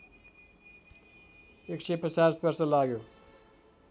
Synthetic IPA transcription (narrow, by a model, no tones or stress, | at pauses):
ekʃepəsaːspʌɾsəlaːɡjo